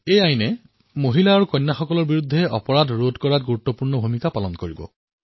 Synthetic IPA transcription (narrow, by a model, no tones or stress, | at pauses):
ejajnɛ | moɦilaːɹukɔjnːaxɔkɔlɔɹbiɹud̪ʱːɛɔpɔɹadɹodkɔɹat̚ɡuɹut̪ːɔpuɹnɔbʱumikapalɔnkoɹibɔ̰